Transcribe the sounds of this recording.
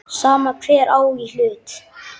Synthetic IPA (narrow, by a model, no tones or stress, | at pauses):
saːmakʰvɛːɾaːwil̥ʏːt̪